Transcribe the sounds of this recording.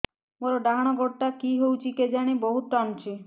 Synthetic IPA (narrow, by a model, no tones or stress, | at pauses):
moɾoɖaɦaɽ̃ɔɡɔʈʈakiɦowt͡ʃʰiked͡ʒaɽ̃ibɔɦut̪ɾant͡ʃʰi